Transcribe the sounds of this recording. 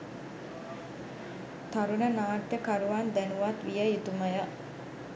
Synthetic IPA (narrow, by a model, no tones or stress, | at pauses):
t̪aɾunənaːʈjəkaɾuʋand̪ænuʋat̪ʋijəit̪uməjə